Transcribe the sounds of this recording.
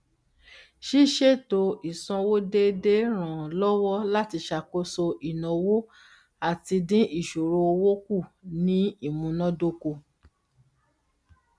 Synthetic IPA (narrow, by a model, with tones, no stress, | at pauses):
ʃi˦ʃe˦˨to˧˦i˨sɔ̃˧wo˦de˦de˦ɾ̃ã˨lɔ˦wɔ˦la˦ti˧ʃa˨ko˦so˧ʔi˨nɔ̃˨wo˦ | a˦˨ti˧dĩ˦i˦˨ʃo˨ɾo˧o˧wo˦ku˦˨nĩ˦i˦˨mũ˨˧nã˦do˦ko˧